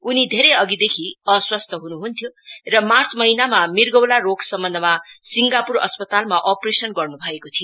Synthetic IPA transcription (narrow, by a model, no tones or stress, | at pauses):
unid̪ʱeɾejʌɡid̪ekʰiʌswʌst̪ʰʌɦunuɦunt̪ʰjorʌmart͡sʰmʌɦinamamirɡʌwlaroɡsʌmːʌnd̪ʌmasiŋɡapurʌ̰spʌt̪almaʔopresʌnɡʌrnubʱʌekot̪ʰijo